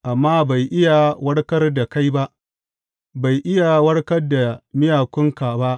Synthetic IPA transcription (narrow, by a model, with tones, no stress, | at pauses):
ʔa˨mːaː˦ba˨jʔɪ˦ja˨wɐ˦ɽkɐ˦rda˨ka˦jba˦ʔ | ba˨jʔɪ˦ja˨wɐ˦ɽkɐ˦rda˨mɪ˦jaː˨kʷʊ˦ŋka˨ba˦ʔ